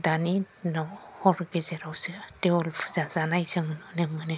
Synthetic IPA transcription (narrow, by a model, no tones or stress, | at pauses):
dani | nɔhɔɾɡezeɾawsɯteɔlfʰzazanajsɯŋɯnɔnemɯne